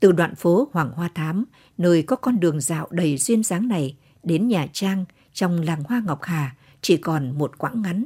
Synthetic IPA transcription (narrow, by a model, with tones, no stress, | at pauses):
t̪ɨ˨˩ɗwa̰ː˧˨nfo˨˦hwaː˨˩ŋhwaː˧t̪ʰaː˨˦m | nəː˧jkɔ˨˦kɔ˧nɗɨ˨˩əŋza̰ː˧˨wɗə˨˩jzwi˧ənzaː˨˦ŋna˨˩j | ɗe˨˦nɲaː˨˩t͡ɕaː˧ŋ | t͡ɕɔ˧wŋ͡mlaː˨˩ŋhwaː˧ŋɔ˨˩wk͡p̚haː˨˩ | t͡ɕi˧˩kɔ˨˩nmo˨˩t̚kwa̰ː˧˥ŋːa˨˦n